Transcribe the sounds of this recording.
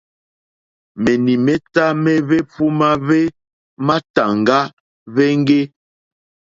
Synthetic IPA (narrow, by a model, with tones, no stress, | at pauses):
me˨ni˨me˦ta˦me˦βe˦fu˦ma˦βe˦ | ma˦ta˨ŋ˨ɡa˦ | βe˦ŋ˦ɡe˦